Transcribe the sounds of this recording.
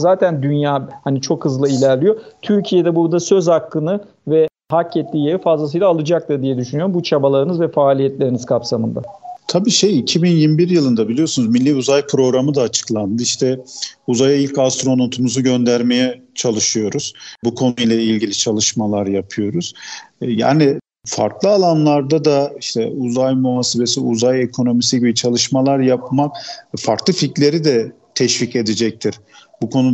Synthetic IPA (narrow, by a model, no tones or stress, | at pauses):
zaːt̪ʰænd̪ynjaːhanit͡ʃʰo̞khɯzlˠailʲæɾlʲijo̞t̪ʰyɾcʰijed̪ɛbuɾd̪asøzhaklːɯnɯ | vɛ | hacːɛt̪ːʲiːjeɾifazlˠasɯjlˠaːlˠɯd͡ʒak̚t̪ʰɯɾd̪ijɛd̪yʃynyjo̞ɾmbut͡ʃʰabalˠaɾɯnɯzvɛfaːlʲijɛt̪lʲe̞ɾiniz̥kʰapsamɯnd̪at̪ʰabiːʃe̞jicʰibinjimbiɾjɯlˠɯnd̪abilʲijo̞sunuzmilʲːiuzajpʰɾo̞ɡɾamɯd̪aːt͡ʃʰɯ̥klˠand̪ɯiʃt̪ʰɛuzajailʲcast̪ɾo̞no̞t̪ʰumuzuɟø̞nd̪æɾme̞jɛt͡ʃʰalˠɯʃɯjo̞ɾuz̥bukʰo̞nujlʲˠɛilʲɟilʲit͡ʃʰalˠɯʃmalˠaɾjapʰɯjo̞ɾuz̥ja̰ːni | fa̰ɾklˠɯalˠanlˠaɾd̪ad̪aiʃt̪ʰɛuzajmuɦaːse̞be̞siuzaje̞kʰo̞no̞misiɟibit͡ʃʰalˠɯʃmalˠaɾjap̚makfaɾklˠɯfitlʲe̞ɾid̪ɛ | t̪ʰɛʃvice̞d̪ɛd͡ʒɛc̚t̪ʰiɾ̥ | bukʰo̞nu